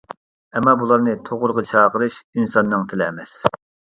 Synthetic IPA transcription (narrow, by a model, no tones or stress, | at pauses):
ɛmːɑbulˠɑɾnɨt̪ʰoʁʊɾʁɑt͡ʃʰɑːqəɾɨʃinsɑnːɨŋt̪ʰɪlɪːmɛs